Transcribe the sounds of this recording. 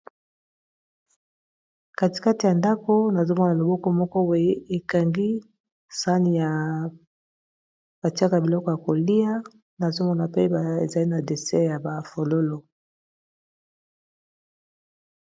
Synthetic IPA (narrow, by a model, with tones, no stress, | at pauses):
ka˦ti̥˨ka˦ti˨ja˨nda˦ko˦na˨zo˦mɔ˦na˨lo˨bɔ˦kɔ˦mɔ˦kɔ˦we˨˦e˦e˨ka˨ŋɡi˦ | sa˦ni˨ja˨ | b̥a˨ti˦a˦ka˨bi˨lɔ˦kɔ˦ja˨ko˨li˦a˦ | na˨zo˦mɔ˦na˨pe˦ba˨ḛ˨za˨li˦na˨de˨sɛ˦ja˨ba˨fo˨lo˦lo˨